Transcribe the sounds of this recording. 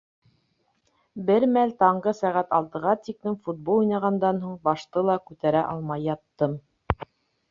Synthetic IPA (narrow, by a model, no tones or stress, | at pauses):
bɘɾmælt̪ɑɴʁɤsæʁæt̪ɑlˠt̪ɤ̆ʁɑt̪iklɘmfud̪̚bolˠujnɑʁɑnd̪ɑnɦuɴbɑʃt̪ɤlˠɑkʉt̪æɾæʔɑlˠmɑjːɑt̪ːɤm